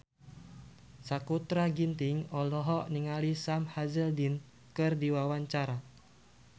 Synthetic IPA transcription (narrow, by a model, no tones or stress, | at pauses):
sakut̪ɾaɡint̪ɪŋɔlɔɦɔʔniŋalisamhazəldin | kɨrdiwawaɲt͡ʃaɾa